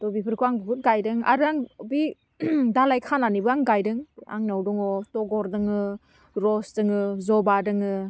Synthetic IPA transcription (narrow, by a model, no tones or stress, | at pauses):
tɔbipʰɯɾkʰuaŋbɯbɯt̚ɡajdɯŋa̰ɾɯaŋbi | dalajkʰananibɯaŋɡajdɯŋa̰ŋnawdɔŋɔtɔɡɔɾdɯŋɯ | ɾɔsdɯŋɯzɔbadɯŋɯ